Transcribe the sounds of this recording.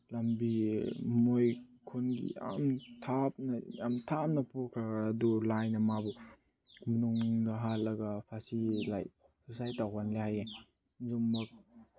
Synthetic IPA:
lambimojkʰonɡḭja̰mtʰap̚nɐjamtʰap̚nɐpuɾkʰɾaːdulajnɐmabu | mɐnuŋdɐɦalːɐɡɐpʰasilaj | susajtawɦanlihaja | zomːɐk̚

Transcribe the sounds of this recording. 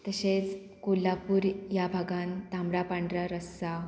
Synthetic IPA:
t̪əɕet͡s | kulːapuːɾjabʱaɡãnt̪ãmɽapaɳɖɾaɾəsːa

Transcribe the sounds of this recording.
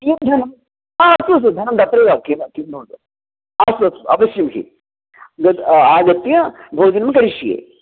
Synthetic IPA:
ijɐd̪ʱɐnɐm | aːɐsuɐs̬ud̪ʱɐnɐmd̪ɐp̪ɾeːɡaːkinkindʱoːd̪ | aːsuɐsuɐʋɐsjɐmkʰḭ | ɡɐt̪aːɡɐt̪ːjɐbʱoːd͡ʒɐnɐmɐkɐɾiʃijḛː

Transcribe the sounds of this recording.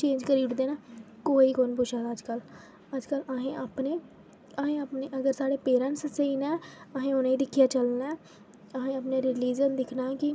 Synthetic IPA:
t͡ʃẽːɲd͡ʒkəɾiːɽd̪eːnaːkoːiːkoːnpʊʃʰaːd̪aːəd͡ʒkəl | əd͡ʒkələɦẽːapneː | əɦẽːaːpneːʔəɡəɾsaːɽeːpeːɾə̃nsəsəiːnɛːəɦẽːʊnãːiːd̪ɪkʰijaːt͡ʃəlnaː | əɦẽːaːpneːɾɪliːd͡ʒənd̪ɪkʰnaːkɪ

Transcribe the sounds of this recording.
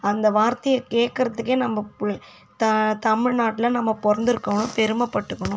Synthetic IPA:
ɐnd̪ɐʋaːɾt̪ɐjɐkeːʈ̚kɪɾɐðɯkːeːnɐmːɐ | t̪ɐt̪ɐmɪɻnaːʈːɪlɐnɐmːɐpɔɾɐnd̪ɪɾɯkːɐʋɐnɯpɛɾɯmɐpːɐʈːɯkːɐɳʊ̃

